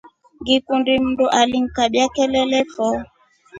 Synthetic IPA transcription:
ŋɡikundim̩nduʔaliŋ̩kaɓjakɛlɛlɛfɔ

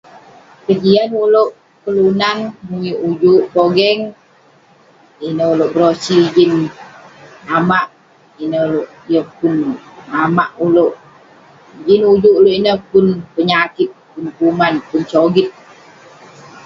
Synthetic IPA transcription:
kəd͡ʒianuloʔ | kəlunanmuɲiʔud͡ʒuʔpoɡɛŋ | inəuloʔbəɾosid͡ʒin | amaʔ | inəloʔijəpunamaʔuloʔ | d͡ʒinud͡ʒuʔuloʔinəpʊnpəɲakɪt̪̚punkumanpunt͡ʃoɡit̪̚

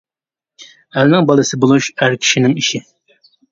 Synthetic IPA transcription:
ælnɪŋbɑlˠɨsɨbolˠuʃæɾkʲʰi̥ʃinɪŋiʃɪ

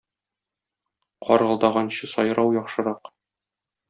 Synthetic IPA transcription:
qʰɒ̰ɾʁɤ̆lˠd̪ɑʁɑnɕɤsɒ̰jɾɑwjɒχʃɤ̆ɾɑq

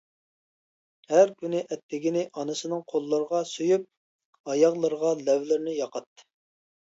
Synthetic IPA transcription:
hæɾkʲynɪʔɛt̪ːɪɡʲinɪʔɑnɨsɨnɨŋqʰolˠːəɾəʁɑsøjyp̚ | ɑjɑʁlˠəɾəʁɑlɛvlɪɾnɪjɑqʰɑt̪ːɨ̥

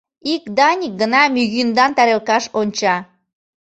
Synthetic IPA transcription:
ikd̪ɑnʲik̚ɡənɑmyɣynd̪ɑnt̪ɑɾelkɑʃonʲt͡ɕɑ

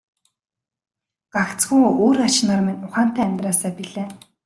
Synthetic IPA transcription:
ɢ̥akt͡sɡujoːɾat͡ɕnaːrmɘ̆nʲʊχaːn̥t̪æːmʲt̪raːsaːpiɮeː

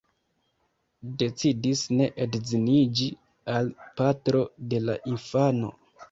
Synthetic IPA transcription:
de̞t͡sidisne̞ʔedzinid͡ʒi | alpatɾo̞de̞laʔinfano̞̰

